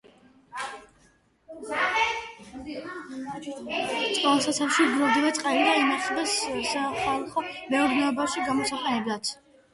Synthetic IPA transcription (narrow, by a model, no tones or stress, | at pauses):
t̪sʼqʼɔasat̪sʰafʃiɡɾɔvd̪ivat̪sʼqʼalid̪ainaχbɛssaχalˠχɔmɛɔɾnɛɔbaʃiɡamɔsaqʼɛnɛblˠat̪ʰ